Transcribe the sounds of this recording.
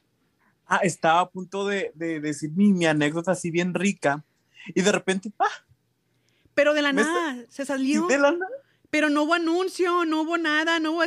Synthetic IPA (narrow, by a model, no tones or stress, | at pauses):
aʔe̞st̪aβaːpunt̪o̞ðeðeðesiɾmimiane̞kðot̪aːsiβje̞nrika | iðe̞repe̞nt̪epa | pe̞ɾo̞ðe̞lanaðse̞saljoelanað | pe̞ɾo̞nouβo̞anũnsjono̞uβonaðanouβ